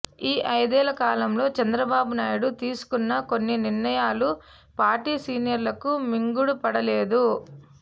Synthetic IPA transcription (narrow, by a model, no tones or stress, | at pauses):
iːʔɐjd̪ɛːlɐkaːlɐmlo̞ːt͡ʃɐnd̪ɾɐbaːbunaːjuɽut̪iːsu̥kunːɐko̞nːiniɾnɐjaːlu | paːɾʈiːsiːnjɐɾlɐkumiŋɡuɽupɐɽɐleːd̪u